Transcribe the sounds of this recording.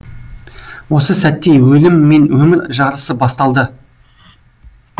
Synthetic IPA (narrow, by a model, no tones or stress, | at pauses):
wo̞səsæt̪ːe̞jwɵlɪmːe̞nwɵmɪɾʒɑɾəsəbɑst̪ɑlˠd̪ə